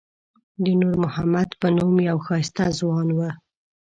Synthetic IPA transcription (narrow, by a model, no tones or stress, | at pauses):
d̪ənuɾmʊhamad̪pənumjawxɑst̪azwɑnwə